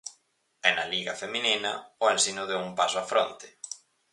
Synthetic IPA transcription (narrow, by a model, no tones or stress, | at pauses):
ɛnaliɣafemĩninaoensinʊðeumpasʊafɾont̪ɪ̥